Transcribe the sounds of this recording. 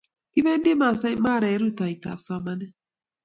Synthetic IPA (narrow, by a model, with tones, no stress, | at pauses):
ki˦me˦n̩˦dɪ˦ma˨sa˦ma˦˨ɾe˨˦ɾu˦˨ta˨i˨ta̰˨fsɔ˦ma˦nɛ˦